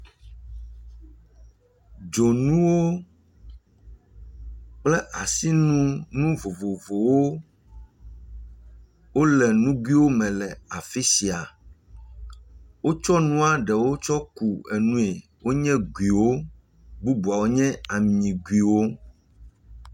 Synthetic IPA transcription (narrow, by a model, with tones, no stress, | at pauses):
d͡ʒo˨nũ˦wo˦ | k͡plɛ˦ʔa˨si˦nũ˦nũ˦vo˨vo˨vo˨wo˦ | wo˦lɛ˨nũ˦ɡwi˦wo˦mɛ̃˨lɛ˨a˨fi˦si˨a˨ | wo˦t͡ʃɔ˦nũ˦a˦ɖɛ˨wo˦t͡ʃɔ˦ku˨e˨nũ˦e˨ | wo˦ɲɛ̃˦ɡwi˨wo˦ | bu˦bu˨a˨wo˦ɲɛ̃˦a˨m˨ɲĩ˨ɡwi˨wo˦